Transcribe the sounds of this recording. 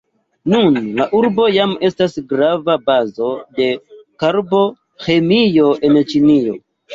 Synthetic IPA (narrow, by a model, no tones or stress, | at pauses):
nunlaʔuɾbo̞jame̞stasɡɾavabazo̞de̞kaɾbo̞ | xe̞mijo̞ʔe̞nt͡ʃinijo̞̰